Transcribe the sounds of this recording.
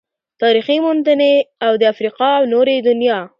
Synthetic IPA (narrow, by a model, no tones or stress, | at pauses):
t̪ɑɾiximʊnd̪əneawd̪əafɾiqɑwnoɾed̪ʊnjɑ